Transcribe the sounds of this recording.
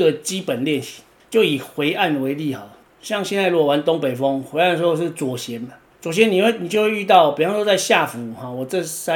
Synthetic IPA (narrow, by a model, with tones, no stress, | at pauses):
ɡə˨t͡ɕi˦˥pə˨˩nljɛ˥˨nɕi̥˨˩ | t͡ɕjo˥˨ʊi˨˩xwe˧˦ɪʔa˥˨nwe˨˦ɪli˥˨hɔ˨˩˦ | ɕjɑ˥˨ŋɕjɛ˥˧nt͡sa˧ɪlwɔ˥˨wa˧˦nt̪ɔ˥˦ŋpe˨˩ɪfɔ˦ŋxwe˧˦a˥˨nəʂ̩˧˦o˥˧ʂ̬̩˥˩t͡swɔ˨˩ɕjɛ˨˦na˨ | t͡swɔ˨˩ɕ̬jɛ˨˦ni˨we˥˧ni˨˩t͡ɕjo˥˧ʊwe˥˧y˥˧t̪ɑ˥˨ʊpe˨˩fɑ˥ŋ˥ʂwo˥˧t͡sa˥˧ɪɕja˥˨fu˨˦hɔ˨wɔ˨˩t͡sɤ˥˧˨sa˦